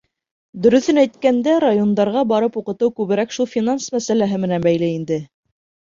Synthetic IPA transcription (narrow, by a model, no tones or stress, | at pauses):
d̪ɵ̆ɾɵ̆θɘnæjt̪̚kænd̪æɾajo̞nd̪ɑɾʁɑbɑɾɤpuqɤ̆t̪ɤwkʉβɘ̆ɾækʃulˠfʲinansmæsælæɦɘmɘ̆nænbæjlɘind̪ɘ